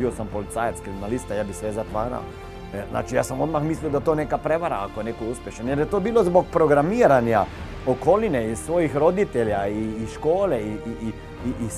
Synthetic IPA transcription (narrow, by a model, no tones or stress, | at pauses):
iwsampɔlit̪saːjɛt̪skɾiminalist̪ajaːbisʋɛzat̪ʋaːɾa̰w̰ | zna̰ːt͡ʃijaːsɐmod̪maxmisliwd̪at̪oːneːkapɾɛʋaɾaakojneːkouspɛʃɛnjɛɾjɛt̪oːbiːlɔzbɔk̚pɾɔɡɾamiːɾanja | ɔkoːlinɛissʋoːjixɾod̪it̪ɛljaiːʃkoːlɛii | iʔis